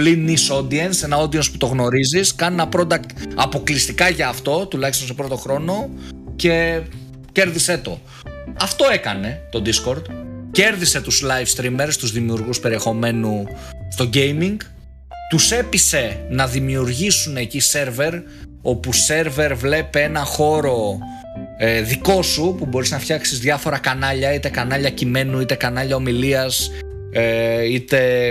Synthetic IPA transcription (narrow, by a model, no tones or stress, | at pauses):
liniso̞d̪iense̞nɐo̞d̪iensput̪oɣno̞ɾiziskɐnnɐpɾo̞d̪ɐkt̪ɐpo̞klist̪ikɐʝɐːft̪o̞t̪ulɐçist̪o̞nsepɾot̪o̞xɾo̞no̞ | ce̞ | ce̞ɾðiset̪o̞̰ | ɐft̪o̞e̞kɐne̞t̪o̞d̪isko̞ɾd̪ce̞ɾðise̞t̪uzlɐjfst̪ɾime̞ɾst̪uzðimiuɾɣuspe̞ɾie̞xo̞me̞nu | st̪o̞ɟe̞jmiŋɡ | t̪use̞pise̞nɐðimiuɾʝisune̞ːcise̞ɾve̞ɾ | o̞puse̞ɾve̞ɾvle̞pee̞nɐxo̞ɾo̞ | eðiko̞supubo̞ɾiznɐfçɐksizðʝɐfo̞ɾɐkɐnɐʎɐit̪ekɐnɐʎɐcime̞nuit̪e̞kɐnɐʎɐo̞miliɐs | eit̪e̞